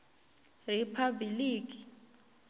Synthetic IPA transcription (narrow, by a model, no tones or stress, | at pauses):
ripʰabiliːkʼi̥